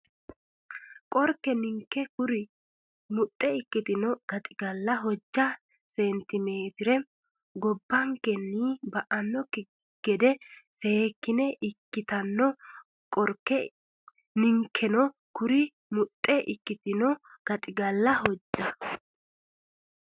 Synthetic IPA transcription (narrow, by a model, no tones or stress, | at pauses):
kʼɔɾkːɛnɪŋkːɛkʊɾɪ | mʊt̪ʼːɛɪkːɪt̪ɪnɔɡ̥ɐt̪ʼɪɡɐlːɐɦɔd͡ʒːɐ | sent̪ɪme̞ːt̪ɪɾɛ | ɡɔbːɐŋkɛnːiːbɐʔɐnːɔkɪ | ɡ̥ɛd̪ɛseːkːɪnɛʔɪkːɪt̪ɐnːɔ | kʼɔɾkːɛ | nɪŋkʰːɛnɔ | kʊɾɪ | mʊt̪ʼːɛʔɪkːɪt̪ɪnɔɡ̥ɐt̪ʼɪɡɐlːɐhɔd͡ʒːɐ